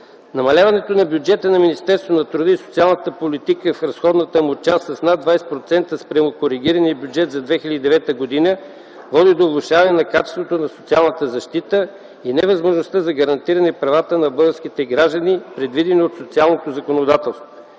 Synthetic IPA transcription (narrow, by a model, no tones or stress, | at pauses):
nɐmɐlʲavɐnɛt̪onɐbjud͡ʒɛt̪ənɐminist̪ɛɾst̪vonɐt̪ɾud̪əiso̥t̪sialˠnət̪əpolit̪ikəfɾɐsxɔd̪nət̪əmot͡ʃast̪sɐsnad̪vajsɛt̪̚pɾot̪sɛnt̪əspɾʲɐmʊkoɾiɡ̟iɾɐniəbʲjud͡ʒɛt̪zɐd̪vɛxilʲəd̪id̪ɛvɛt̪əɡod̪inə | vɔd̪id̪oːlˠʊʃavɐnɛnɐkat͡ʃɛ̥st̪vot̪onɐsot̪sialˠnət̪əzɐʃt̪it̪ə | inɛvɐzmoʒnost̪əzɐɡɐɾɐnt̪iɾɐnɛpɾɐvat̪ənɐbɤlˠɡəɾskit̪ɛɡɾaʒd̪ənipɾɛd̪vid̪ɛniot̪sot̪sialˠnot̪ozɐkonod̪at̪ɛlˠst̪vo